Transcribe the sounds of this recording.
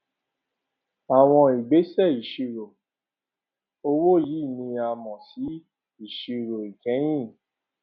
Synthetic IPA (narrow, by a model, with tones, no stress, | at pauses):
a˨w̃ɔ̃˧i˨ɡ͡be˨˦sɛ˦˨i˨ʃi˧ɾo˨ | o˧wo˦˨jiː˨˦˨nĩ˧a˨mɔ̃˨si˨˦ | i˨ʃi˧ɾo˨i˨kɛ̃˨˦j̃ĩ˦˨